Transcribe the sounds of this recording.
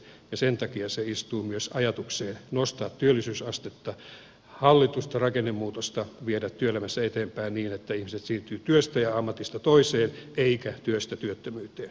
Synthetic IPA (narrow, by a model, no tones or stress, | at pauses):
jɑsent̪ɑkiɑseist̪uːmyøsɑjɑt̪ukseːnnost̪ɑːt̪tyølːisyːsɑst̪et̪ːɑ | hɑlːit̪ust̪ɑrɑkenːemːuːt̪ost̪ɑʋiedæt̪tyøelæmæsːæet̪eːmpæinniːnet̪ːæihmiset̪siːnt̪yːt̪yøst̪æjɑɑmːɑt̪ist̪ɑt̪oiseːnʔeikæt̪yøst̪æt̪yøt̪ːømyːt̪eːn